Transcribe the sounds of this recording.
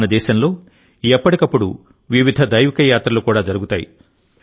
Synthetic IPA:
nɐd̪ɛːʃɐmlo̞ː | ɛpːɐʈikɐpːuɽṵ | ʋiʋid̪ʱɐd̪ɐjʋikɐjaːt̪ɾɐlukuːɽaːd͡ʒɐɾuɡut̪aːjḭ

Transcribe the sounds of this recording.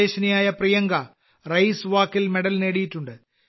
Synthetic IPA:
eːɕɐnijaːjɐprijɐŋɡɐ | rɐjsʋaːkːilmeɽɐlne̞ːɽijitːuɳɖɨ

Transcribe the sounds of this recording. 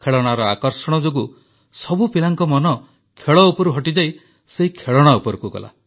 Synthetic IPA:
kʰeɭɔɽ̃aɾɔakɔɾsɔɽ̃ɔd͡ʒoɡu | sɔbupilaŋkɔmɔnɔ | kʰeɭɔupɔɾuɦɔʈid͡ʒaj | seɦikʰeɭɔɽ̃aupɔɾukuɡɔ̰la̰

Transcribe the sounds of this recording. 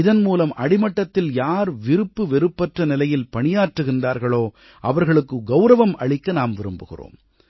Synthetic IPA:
ɪðɐnmuːlɐmʔɐɽɪmɐʈːɐt̪ːɪljaːɾʋɪɾɯpːɯʋɛɾɯpːɐʈrɐnɪlɐjɪlpɐɳɪjaːrʈrɯɣɪndaːɾɣɐɭoː | ʔɐʋɐɾɣɐɭɯkːɯɡɐʊɾɐʋɐmɐɭɪkːɐnaːmʋɪɾɯmbɯɣɪ̰ro̰ːm

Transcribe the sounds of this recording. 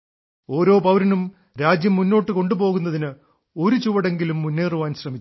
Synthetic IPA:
o̞ːɾo̞ːpɐwɾɐnum | ɾaːd͡ʑjɐmːunːo̞ːʈːɨko̞ɳɖupo̞ːɣunːɐðinɨ | o̞ɾut͡ɕuʋɐɽe̞ŋɡilumːunːeːruʋaːnɕrɐmit͡ɕː

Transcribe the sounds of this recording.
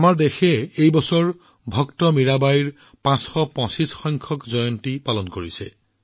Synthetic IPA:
amaɹdexɛejbɔsɔɹ | bʱɔktɔmiɹabaiɹ | pãsxɔpɔ̃sisxɔjŋkʰɔkzɔjɔntipalɔnkoɹisɛ̰

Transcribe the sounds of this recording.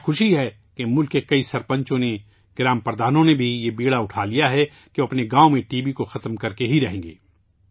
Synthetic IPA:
xʊʃiɦɛ | kemʊlkːekɐisɐɾpɐ̃ɲt͡ʃõne | ɡ̥ɪɾaːmpɐɾd̪ʱaːnõnebʱijebiːɽaʊʈʰaːlijaɦɛ | keɐpneɡãːõmẽʈiːbikoxɐt̪mkɐɾkeɦiɾɐɦẽːŋɡḛː

